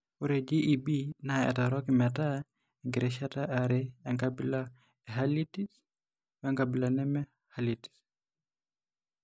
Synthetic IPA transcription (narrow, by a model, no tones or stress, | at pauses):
uɾɛd͡ʒiʔibinaɛ̰taɾɔkimɛta | ŋɡiɾɛʃataʔaɾɛɛŋkabila | ɛɦalitis | wɛŋkabilanɛmɛ | haliti̥s